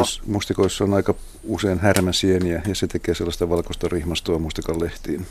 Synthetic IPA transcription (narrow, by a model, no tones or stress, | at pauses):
smust̪ikoisːonɑikɑ | useinhærmæsieniæjɑset̪ekeːselːɑst̪ɑʋɑlkost̪ɑrihmɑst̪oɑmust̪ikɑlleht̪iːn